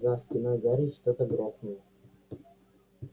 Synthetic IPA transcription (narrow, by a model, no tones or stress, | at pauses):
zasʲpʲɪnaɡ̪aɾʲɪʂt̪ot̪əɡɾosnəjə